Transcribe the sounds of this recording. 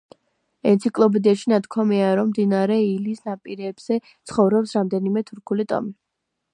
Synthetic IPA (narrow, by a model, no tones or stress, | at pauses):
ɛnt̪sʰikʼlˠɔbɛd̪iaʃinat̪kʰwamiaɾɔmːd̪inaɾɛilisnapʼiɾɛːbz̥ɛt̪sʰχɔvɾɔpsɾamd̪ɛnimɛt̪ʰuɾkʰulit̪ʼɔ̰mi